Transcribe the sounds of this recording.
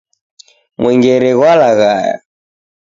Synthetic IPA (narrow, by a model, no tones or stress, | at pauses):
mwʔɛŋɡɛɾɛɣwalaɣaja̰